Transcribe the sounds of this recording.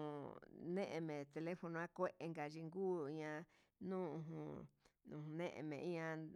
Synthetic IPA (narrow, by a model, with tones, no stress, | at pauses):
nẽ˦ʔẽ˧mẽ˨t̪e˧le˦fo˧nõ˧ã˦kʷe˦ʔe˧ŋɡa˨ʒi˧ŋɡuː˦i˧ɲã˧ | nũː˦ũ˧ɦũ˧˨ũ˧hũ˧nḛ̃˦ʔḛ̃˧mḛ̃˨ĩ˦ɲã˧